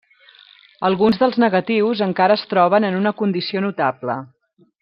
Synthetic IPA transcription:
əlˠɣunzðəlˠznəɣət̪iwzəŋkaɾəːst̪ɾɔβ̞ənənunəkund̪isionut̪ablə̰

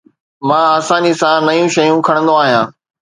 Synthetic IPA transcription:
mãːɐsãd͡ʑisãnɐjũʃɐjũkʰɐɽ̃nd̪oaːɦijãː

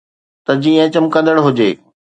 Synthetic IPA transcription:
t̪ɐd͡ʑĩːə̃t͡ɕəmkɐ̃nd̪əɽɦʊd͡ʑeː

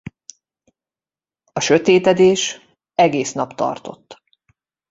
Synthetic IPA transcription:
ɒʃøt̪eːt̪ɛd̪eːʃ | ɛɡeːsn̪ɒpt̪ɒ̰rt̪o̞̰t̪ː

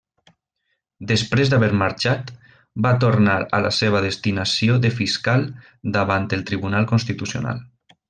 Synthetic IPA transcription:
d̪əspɾezd̪aβeɾmaɾt͡ʃat̪ | bat̪oɾnaɾa̰la̰seβ̞aðest̪inasioðəfiskalˠ | d̪aβant̪əlˠt̪ɾiβunalˠkonst̪it̪usio̰na̰lˠ

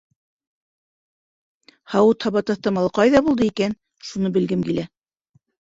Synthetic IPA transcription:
hɑwɤt̪hɑβɑt̪ɑ̆θt̪ɤmɑlˠɤqɑjðɑbulˠd̪ɤikæn | ʃunɤbɘ̆lɡɘmkilæ

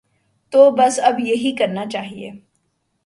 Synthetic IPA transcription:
t̪obɐsɐbjɐɦikɐɾnat͡ʃaːɦiḛː

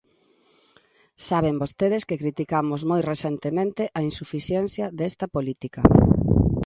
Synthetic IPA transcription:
saβembost̪eð̞eskekɾit̪ikamozmojreθent̪emẽnt̪eʔɐinsufiθjɛnθjɐðɛst̪ɐpolit̪ikɐ

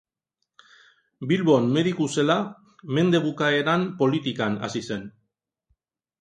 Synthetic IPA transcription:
bilβo̞nme̞ðikuse̞la | me̞nd̪e̞βukae̞ɾampo̞lit̪ikana̰sise̞n

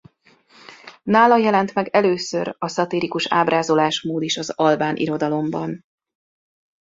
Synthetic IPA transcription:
naːlɒjɛlɛnt̪mɛɡɛløːsø̞̰ɾɒsɒt̪iːɾikuʃaːbɾʔaːzo̞laːʃmoːd̪iʃɒzɒlbaːnʔḭɾo̞d̪ɒlo̞mbɒn

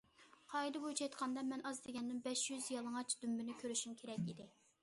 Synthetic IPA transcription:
qʰɑid̪ɨbojt͡ʃʰɑjt̪qʰɑnd̪ɑmɛnʔɑzd̪eɡʲɛnːɨnbɛʃjyzjɑlˠəŋɑt͡ʃd̪ymbɪnɪkʲʰøɾyʃymkʲʰeɾɛkʲid̪ɪ

